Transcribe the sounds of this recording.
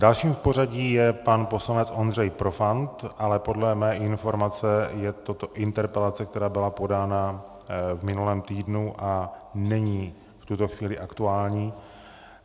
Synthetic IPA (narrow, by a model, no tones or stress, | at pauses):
dalʃiːmfpo̞raɟiːjɛpanpo̞slanɛt͡sʔo̞ndrɛjpɾo̞fant̪ʔalɛpo̞dlɛmɛːʔɪnfo̞ɾmat͡sɛjɛt̪ot̪o̞ʔɪnt̪ɛɾpɛlat͡sɛkt̪ɛɾaːbɪlapo̞daːna | vmɪnulɛːmt̪iːdnuʔanɛɲiː | ft̪ut̪o̞xviːlɪʔakt̪uaːlɲiː